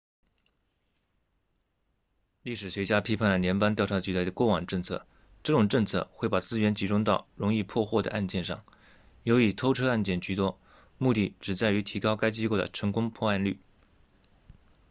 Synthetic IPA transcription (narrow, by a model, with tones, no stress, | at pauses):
li˥˩ʂɻ̩˨˩ɕɥɛ˧˥t͡ɕja˥pʰi˥pʰa˥˩nlə˩njɛ˧˥npa˥nt̪jɑ˥˩ʊʈ͡ʂʰa˧˥t͡ɕy˧˥le˥˩ɪd̪ə˩kwɔ˥˩wɑ˨˩ŋʈ͡ʂɤ˥˧ŋt͡sʰɤ̰˥˩ | ʈ͡ʂɤ˥˩ʈ͡ʂʊ˨˩ŋʈ͡ʂɤ˥˧ŋt͡sʰɤ̰˥˧xwe˥˩ɪpa˨˩t͡sɹ̩˥ɥɛ˧˥nt͡ɕi˧˥ʈ͡ʂʊ˥ŋt̪ɑ˥˩ʊɻʊ˧˥ŋi˥˧pʰwɔ˥˧xwɔ˥˩d̪ə̰˩ʔa˥˧nt͡ɕjɛ˥˧nʂɑ̰˥˩ŋ | jo˧˥ʊi˨˩t̪ʰo˥ʊʈ͡ʂʰɤ˥a˥˧nt͡ɕjɛ˥˩nt͡ɕy˧˥t̪wɔ˥ | mu˥˧t̪i˥˩ʈ͡ʂɻ̩˨˩t͡sa˥˩ɪy˧˥t̪ʰi˧˥kɑ˥ʊka˥ɪt͡ɕi˥ko˥˩ʊdə̰˩ʈ͡ʂʰɤ˧˥ŋkʊ˥ŋpʰwɔ˥˧a˥˧nly˥˩